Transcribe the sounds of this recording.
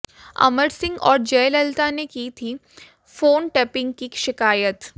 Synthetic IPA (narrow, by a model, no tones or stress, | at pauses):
ɐ̰məɾsɪ̃ŋɡɔ̰ːɾd͡ʒɛːlɐlt̪anekiːt̪ʰiː | foːnʈɛːpɪ̃ŋɡkiʃɪkaːjət̪